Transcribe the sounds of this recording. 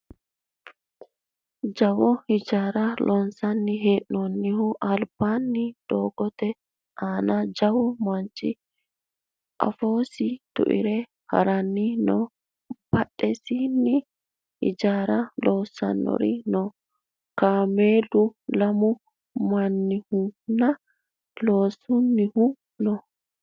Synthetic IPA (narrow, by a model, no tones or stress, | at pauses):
d͡ʒɐwɔhɪd͡ʒaːɾɐlʔɔnsɐnːɪɦeːʔnɔnːɪɦʊʔɐlb̥anːɪd̪̥oːɡɔt̪ɛ | ʔaːnɐd͡ʒɐwɔmɐnt͡ʃːɪ̰ | ʔɐ̰foːsɪt̪ʊ̰ʔɪ̰ɾɛ | hɐ̰ɾɐnːɪnɔ | b̥ɐɗːɛsinːɪ | ɪ̰d͡ʒaːɾɐloːsːɐ̰nːɔ̰ɾɪnɔ | kaːmeːdʊlɐmʊ | mɐnːɪhʊnɐ | lo̞ːsʊnːɪhʊ | nɔ